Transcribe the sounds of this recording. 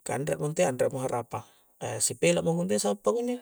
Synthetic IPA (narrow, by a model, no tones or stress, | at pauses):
ka̰ndɾa̰ʔmunt̪eandɾaʔmoɦaɾʔapa | sipelaʔmoŋunt̪̬esabapːakuɲd͡ʒa